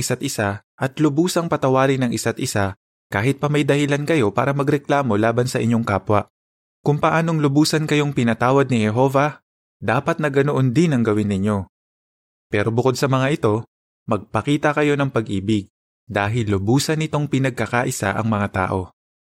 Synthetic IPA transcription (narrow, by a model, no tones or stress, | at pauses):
ɪsat̪ʔɪsaʔɐt̪lʊbuːsɐŋpɐt̪ɐwaːɾɪnɐŋʔɪsat̪̚ʔɪsa | kaːɦɪt̪̚pɐmɐjd̪ɐhɪlankɐjo̞paːɾɐmɐɡɾɛklaːmo̞laːbɐnsɐʔɪ̰ɲjo̞ŋkaːpwɐʔ | kʊŋpɐʔaːno̞ŋlʊbuːsɐnkɐjo̞ŋpɪnɐt̪aːwɐd̪̚nɪhɛɦo̞ːvɐ | d̪aːpɐt̪̚nɐɡɐnoʔond̪ɪnɐŋɡɐwɪnːɪɲo̞ | pɛːɾo̞bʊko̞d̪sɐmɐŋaʔɪt̪o̞ | mɐɡ̚pɐkiːt̪ɐkɐjo̞nɐŋpɐɡʔiːbɪɡ̚ | d̪aːɦɪlːʊbuːsɐnɪt̪o̞ŋpɪnɐɡ̚kːɐkaʔɪsa̰ʔɐ̰ŋmɐŋat̪a̰ːʔo̞